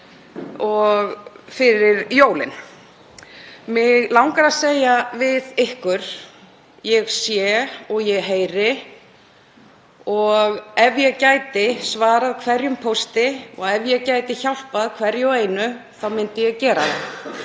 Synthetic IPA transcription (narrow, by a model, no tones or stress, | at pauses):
ɔɣfɪɾɪɾjoːwlɪ̰n | mɪɣlawŋkaɾaðseːjavɪðɪhkʏɾ̥ | jɛɣsjɛːɔɣjɛɦeːjɾɪ | ɔɣɛvjɛɣcaːjt̪ɪsvaːɾaðkʰvɛɾjʏmpʰowst̪ɪɔɣɛvjɛɣcaːjt̪ɪçawl̥paðkʰvɛɾjɛeːjnʏθawmɪnt̪ɪjɛɣcɛːɾaθa